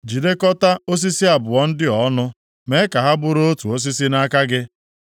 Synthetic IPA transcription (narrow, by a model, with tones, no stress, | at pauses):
d͡ʒi˨de˦kɔ˦ta˦o˦s̬i˦si˦a˨bʊ˨ɔ˦n̩˦dɪ˦ɔ˨˦nʊ˦ | me˦ka˨ɦa˦bʊ˦ɾo˦o˦tu˨o˦s̬i˦si˦na˦ka˦ɡɪ˦